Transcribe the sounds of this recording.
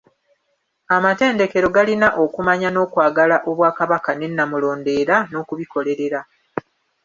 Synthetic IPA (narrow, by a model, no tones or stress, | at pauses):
amate̞ːnde̞ke̞ɾo̞ɡalinaʔo̞kumaɲano̞ːkwaːɡalaʔo̞βwaːkaβakane̞nːamulo̞ːnde̞ːɾano̞ːkuβiko̞le̞ɾe̞ɾa